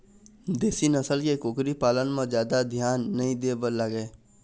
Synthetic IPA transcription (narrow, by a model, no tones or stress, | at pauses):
d̪eːsinəsəlkekʊːkɾipaːlənmẽzjaːd̪ad̪ʱjaːnːɐɦĩd̪eːbəɾlaɡeː